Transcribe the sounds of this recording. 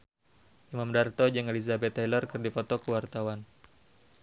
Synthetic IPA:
ʔimamdart̪ɔd͡ʒəŋelizabɛt̪ːajlərkərdipɔt̪ɔkəwart̪awan

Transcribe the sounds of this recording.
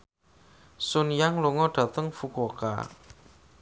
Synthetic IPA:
sʊnjaŋluŋɔɖ̥ä̤t̪əŋfukoka̰

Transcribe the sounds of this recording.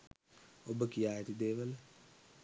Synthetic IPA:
obəkijaːet̪id̪eːʋəl

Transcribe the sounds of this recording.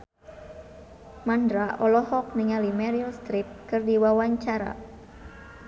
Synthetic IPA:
mandɾaʔɔlɔhɔk̚niŋalimɛɾiɔlst̪ɾip̚kɨrdiwawaɲt͡ʃaɾa̰

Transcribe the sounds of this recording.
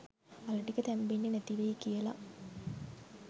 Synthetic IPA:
aləʈikət̪æmbenːinæt̪iʋeikijəla̰

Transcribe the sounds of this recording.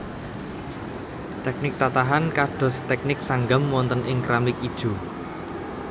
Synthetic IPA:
t̪ɛk̚nɪk̚t̪at̪aɦankaɖ̥ɔ̤st̪ɛk̚nɪk̚saŋɡamwɔnt̪ənʔɪŋkɾʔamɪkid̥ʒ̥ṳ

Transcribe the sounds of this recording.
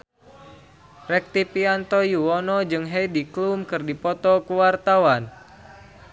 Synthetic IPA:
rɛk̚t̪ipiant̪ɔjuwɔnɔd͡ʒɨŋɦejdiklumkɨrdipɔt̪ɔkuwart̪awan

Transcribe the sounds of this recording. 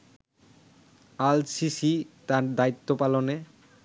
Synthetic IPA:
alsisit̪aɾd̪ait̪ːopalone

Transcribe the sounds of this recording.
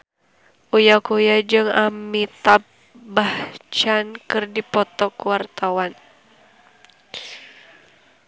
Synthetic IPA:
ʔujakujad͡ʒɨŋamit̪ap̚ | baht͡ʃankɨrdipɔt̪ɔkwart̪awan

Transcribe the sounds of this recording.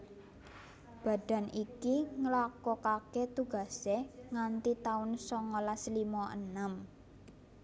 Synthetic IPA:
b̥ä̤ɖ̥ä̤nikiŋəlakɔkakɛt̪uɡ̥ä̤seŋant̪it̪aʊnsɔŋɔlaslimɔʔənəm

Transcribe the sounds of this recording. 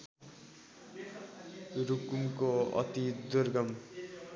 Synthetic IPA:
ɾukumkoʌ̰t̪id̪urɡʌm

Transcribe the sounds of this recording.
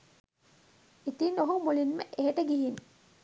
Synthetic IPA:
it̪iːnoɦumulinməʔeɦeʈəɡiɦin

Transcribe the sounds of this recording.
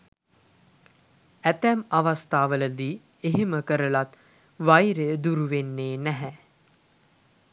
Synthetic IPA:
æt̪æmaʋast̪aːʋələd̪iː | eɦeməkəɾəlat̪ | ʋajɾəjəd̪uɾuʋenːeːnæɦɛ

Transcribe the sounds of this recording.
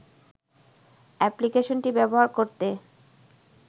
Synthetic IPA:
ɛplikeʃonʈibɛboɦaɾkoɾt̪e

